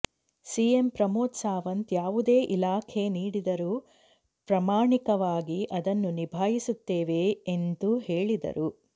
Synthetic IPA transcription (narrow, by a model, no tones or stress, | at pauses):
siːempɾɐmoːt̪saːʋɐnt̪jaːʋud̪e̞ːʔilaːkʰe̞niːɽid̪ɐɾuː | pɾɐmaːɳikɐʋaːɡiʔɐd̪ɐnːunibʱaːjisut̪ːeːʋeːnd̪uhe̞ːɭid̪ɐ̰ɾu